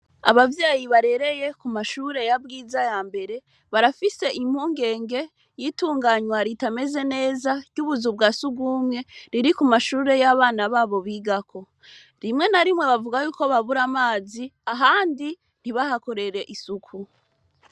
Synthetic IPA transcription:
a̰βavjaːjiβaɾe̞ɾe̞je̞kumaʃuːɾe̞jab̚ɡiːzajaːmbe̞ɾe̞ | βaɾafise̞ʔim̥huːŋɡe̞ːŋɡe̞ | jiːtuːŋɡaɲwaɾitame̞ze̞ne̞ːzaɟɟuβuzub̚ɡasuɡɡumŋe̞ɾiɾikumaʃuːɾe̞jaβaːnaβaːβo̞βiːɡakʰo̞ | ɾimŋe̞naɾimwe̞βavuɡajuːko̞βaβuɾamaːziaɦaːndi | n̥iβaɦako̞ɾe̞ɾe̞ʔisukʰu

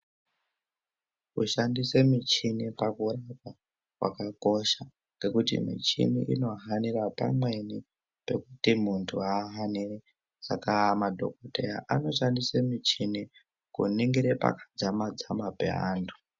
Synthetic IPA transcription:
kṵʃandise̞mit͡ʃinipakuraka | wʔa̰kako̞ʃa | ŋɡe̞kutḭmḭt͡ʃḭnḭʔino̞ɦaniɾapa̰mwe̞ni | pe̞kutimuntʰuaːɦaniri | sakaːmadʱo̞̰koteja̰ʔano̞ʃandisemit͡ʃini | kṵniŋɡiɾepa̰kḁd͡zamad͡zamapḛɦa̰ːntʰu̥

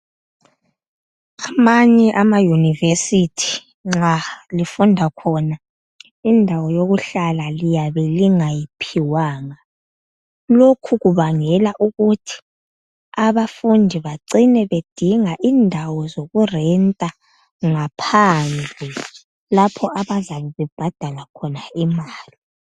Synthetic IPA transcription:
amaɲɛʔamajunivesitʰi̥ | ŋ͡ǁalifundʱakʰɔna | indʱawɔjoɣuɬalalijaβɛliŋajipʰiwaːŋa | lokʰuɣuβaŋɛlaʔuɣutʰi̥ | aβafundʱiβaǀinɛβed̥ʱiŋaʔindʱawɔzoɣurɛntʼa | ŋapʰand͡ɮʱi | lapʰɔʔaβazaβɛβɛb̥ʱad̥ʱalakʰɔnaimaːli

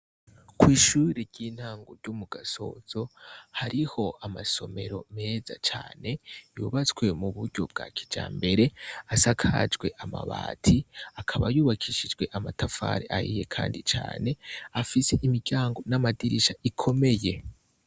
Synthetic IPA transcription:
kwiːʃuːɾeɾɟiːn̥haːŋɡoɾɟumuɡaso̞̰z̥o̞haɾiho̞ʔamaso̞me̞ɾo̞me̞za̰t͡ʃaːne̞juːβat͡skwe̞muβuɾɟo̞̰b̚ɡa̰ːkʰi̥d͡ʒa̰ːmbe̞ɾe̞asakʰad͡ʒɡwe̞ʔama̰βa̰ːtʰiakʰaβajuːβakʰiʃid͡ʒɡwe̞ʔamatafa̰ɾḛʔahije̞kʰa̰ːndit͡ʃa̰ːne̞afise̞ʔimiɟaːŋɡo̞namadiɾiʃaikʰo̞me̞je̞

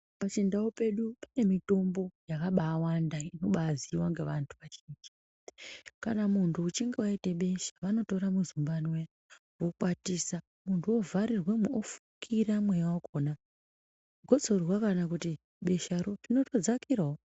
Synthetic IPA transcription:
pat͡ʃindaope̞ɗupane̞mito̞mbo̞jakaɓaːwandaino̞ɓaziwaŋɡe̞ʋantʰuʋat͡ʃeːnd͡ʒi | kanamuntʰuːt͡ʃiŋɡewaite̞ɓe̞ʃḁʋano̞to̞ɾamuzumbanwe | wokwatisa | muntʰuovaɾirwe̞muofukʰiɾamwejwakʰoːna | ɡʱo̞t͡so̞rwakanakuti | ɓe̞ʃaɾorino̞to̞d͡zakirao

